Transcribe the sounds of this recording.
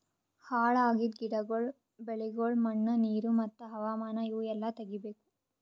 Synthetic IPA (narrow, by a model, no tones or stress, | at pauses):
haːɭaːɡid̪ɡiɽɐɡoɭ | beɭiɡoɭmɐɳːɐniːɾumɐt̪ːɐɦɐʋaːmaːnɐjuːɛlːɐt̪ɐɡibeːku̥